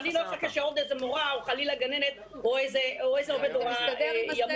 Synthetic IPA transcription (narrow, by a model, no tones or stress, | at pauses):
liloaχakaʃeovd̪ezemoʁaoχalilaɡanenet̪̚ | oejzeoejzeoved̪oʁajam